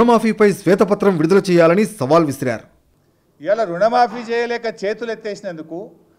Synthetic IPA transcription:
ɐmaːpʰiːpɐjsʋɛːt̪ɐpɐt̪ɾɐmʋiɽud̪ɐlɐt͡ʃɛːjaːlɐnisɐʋaːlʋisɐɾa̰ːɾu | iʋɐlɐɾuɳɐmaːpiːt͡ʃɛːjɐlɛːkɐt͡ʃe̞ːt̪ulet̪ːeːsinɐnd̪uku

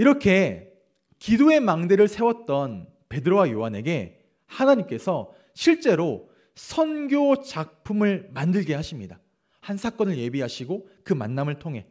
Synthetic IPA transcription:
iɾʌkʰe̞ | kidoe̞maŋdeɾɯɭsʰe̞wʌt̚t͈ʌn | pe̞dɯɾowajoɦane̞ɡe̞ | hanaɲimk͈e̞sʰʌ | ɕʰiɭt͡ɕ͈e̞ɾo | sʰʌnɡjot͡ɕak̚pʰumɯɭmandɯɭɡe̞ɦaɕʰimɲida | hansʰak͈ʌnɯɭje̞biɦaɕʰiɡo | kɯmanːamɯɭtʰoŋɦe̞

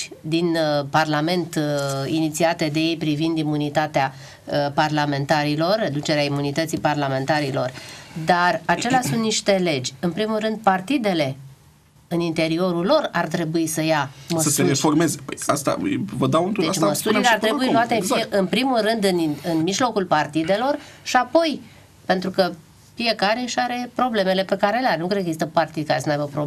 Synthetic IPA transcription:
d̪inparlame̞nt̪init̪siat̪e̞d̪e̞je̞jpɾivind̪imunit̪at̪ea | parlame̞nt̪aɾilo̞rːe̞d̪ut͡ʃe̞ɾeaimunit̪ət̪siparlame̞nt̪aɾilo̞rd̪arat͡ʃe̞leasunt̪niʃt̪e̞le̞d͡ʒʲɨnpɾimulrɨnd̪̚part̪id̪e̞le̞ | ɨnint̪e̞ɾio̞ɾulo̞rart̪ɾe̞buisəjaməsəseueforme̞zepəjast̪a̰vəd̪awɨnt̪ud̪eat͡ʃməst̪uɾileart̪ɾebuiluat̪efʔɨnpɾimulrɨnd̪ɨnɨnmiʒlo̞kulpart̪id̪e̞lo̞rʃiapo̞j | pe̞nt̪ɾukə | fije̞kaɾe̞ɨʃaɾe̞pɾo̞ble̞me̞le̞pe̞kaɾeleaɾenukɾed̪ekəɡzist̪əpart̪id̪kaɾesənajbəpɾo

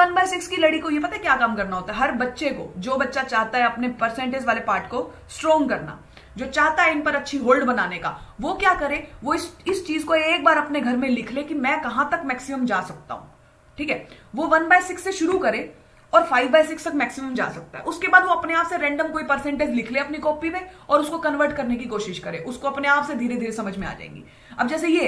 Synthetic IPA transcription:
ʋɐnbaːɪsɪkskilɐɽikojep̬ɐt̪aɦɛkjaːkaːmkɐɾnaɦoːt̪aɦɛɦɐɾbɐtːʃeko̰ːd͡ʒoːbɐtːʃat͡ʃaːɦt̪aɦɛɐpnepɐɾsɛ̃ɳʈeːd͡ʒʋaːlepaːɾʈko | sʈɾɔːŋɡkɐɾna̰ː | d͡ʒoːt͡ʃaːɦt̪aɦɛɪnpɐɾɐtːʃʰiɦoːlɖbɐnaːneka̰ːʋokjaːkɐɾẽʋoɪsɪst͡ʃiːzkoeːk̚baːɾɐpneɡʱɐɾmẽlɪkʰlekimɛ̃kɐɦãt̪ɐkmɛːksɪməmd͡ʒaːsɐk̚t̪a̰ːɦṵ̃ː | ʈʰiːkɦɛːʋoʋɐnbaːjsɪksːeʃʊɾukɐɾẽː | ɔːɾfaːɪʋbaːjsɪkst̪ɐkmɛːksɪmə̃md͡ʒa̰ːsɐk̚t̪a̰ɦɛ̰ʔʊskebaːd̪ʋoɐpneaːpseɾɛ̃ːɳɖəmkoːipɐɾsɛ̃ːɳʈeːd͡ʒlɪkʰleɐpnikɔːpimẽɔːɾʊskokɐnʋəɾʈkɐɾnek̬ikoːʃɪʃkɐɾeːʔʊskoɐpneaːpsed̪ʱiːɾed̪ʱiːɾesɐməd͡ʒʱmẽa̰ːd͡ʒa̰ːḛ̃ːŋɡḭː | ɐ̰b̚d͡ʒɛːs̬ejeː

